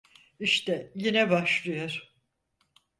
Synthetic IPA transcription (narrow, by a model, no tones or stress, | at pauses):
iʃt̪ɛjinɛbaʃlˠɯjaɾ̥